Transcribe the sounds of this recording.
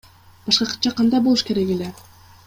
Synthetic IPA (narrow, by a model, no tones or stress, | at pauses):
b̥ɑʃqɑqʰɯ̥t̪̚t͡ʃːɑqʰɑnd̪ɑjbolˠuʃkeɾekele